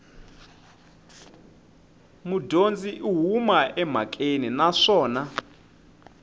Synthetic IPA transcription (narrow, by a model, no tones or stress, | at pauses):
mudʱond͡ziʔiɦumaʔɛm̤akʼeninaʂɔːna